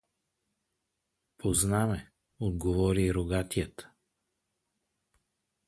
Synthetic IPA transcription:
pʰoznamɛ | od̪ɡovɔɾiɾoɡat̪ijət̪

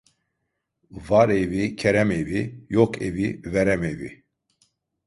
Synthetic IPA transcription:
vaɾevicʰɛɾɛmevijɔkʰʼḛvivɛɾɛmevḭ

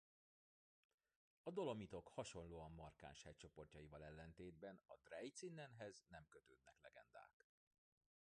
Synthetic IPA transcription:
ɒd̪o̞lo̞mit̪o̞khɒʃo̞nloːɒmːɒrka̰ːnʃhɛc̚t͡ʃo̞po̞rcɒjivɒlɛlːɛnt̪eːd̪bɛnɒd̪̥rɛjt̪sinːɛnɦɛznɛmkøt̪øːd̪̚nɛklɛɡɛ̰nd̪a̰ːk

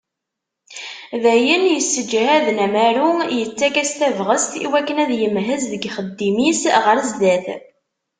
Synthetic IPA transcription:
ðæjənjəsːəd͡ʒhæðnæmæɾujət͡sːækæst̪ævʁəst̪ḭwækːənæðjəmɦəzðəɡχəd̪ːimisʁəɾəzd̪æθ

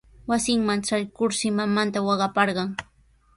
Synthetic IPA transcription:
wasɪŋmanʈ͡ʂajkʊɾsɪmamant̪awɑɢɑpɑɾɢɑŋ

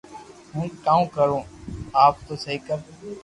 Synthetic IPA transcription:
ɦũːkaːũːkəɾõːaːp̚t̪oːsəɦiːkəɾ

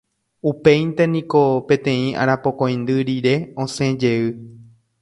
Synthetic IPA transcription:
upe̞jnt̪enĩko̞pẽ̞t̪ẽ̞ĩa̰ɾapo̞kõ̞j̃nd̪ɨɾiɾe̞õsẽ̞d͡ʒe̞ɨ

